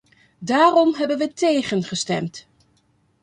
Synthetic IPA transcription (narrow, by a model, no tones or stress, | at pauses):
daːrɔmɦɛbənʋətejχənχəstɛ̰mt